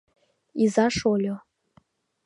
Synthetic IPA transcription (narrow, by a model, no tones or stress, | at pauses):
izaʂolʲo